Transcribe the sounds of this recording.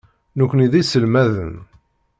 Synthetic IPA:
nukʷːəniðisəlmæðə̰n

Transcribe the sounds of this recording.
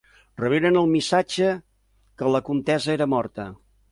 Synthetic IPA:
rəβ̞eɾənəlˠmisad͡ʒə | kələkunt̪ɛzəeɾəmɔrt̪ə

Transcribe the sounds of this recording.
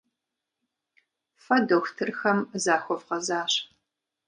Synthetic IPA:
fɐdoxtʰɨrxɐmzaːxʷɔvʁɐzaːɕ

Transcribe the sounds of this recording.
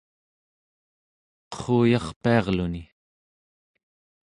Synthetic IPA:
qə̥χuːjɑχpiɑʁluni

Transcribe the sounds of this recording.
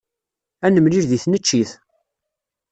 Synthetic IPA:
ænəmliɾðiθnət͡ʃːiθ

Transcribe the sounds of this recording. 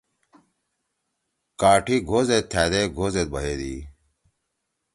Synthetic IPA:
kaːʈʰiɡʱoːzet̪̚t̪ʰæːd̪eːɡʱoːzet̪̚bɐɦeːd̪ḭː

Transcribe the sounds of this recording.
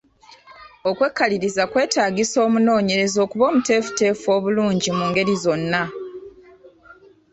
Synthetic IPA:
o̞kwe̞kːaliɾizakwe̞ːtaːɡiso̞ːmuno̞ːɲe̞ɾe̞zo̞ːkuβo̞ːmute̞ːfu̥te̞ːfo̞ːβuluːɲɟimuːŋɡe̞ɾizo̞nːa

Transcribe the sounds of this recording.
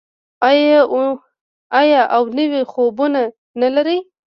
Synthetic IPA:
aj | ajɑʔawnəwexobuna | nalaɾij

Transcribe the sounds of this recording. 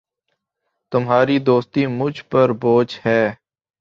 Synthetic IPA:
t̪ʊmɦaːɾid̪oːst̪imʊd͡ʒʱpəɾboːd͡ʒhɛː

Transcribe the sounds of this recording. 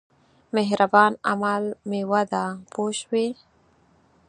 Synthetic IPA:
meɦɾabɑna̰malmewad̪apoʃwi

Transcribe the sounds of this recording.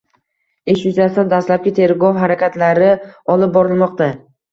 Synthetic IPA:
e̞ʃjʊzast̪and̪aslap̚kʲɪt̪ʰe̞ɾɡɒwɦaɾakʲʰat̪laɾɪɒlɪp̚bɒɾɪlˠmɒqt̪a

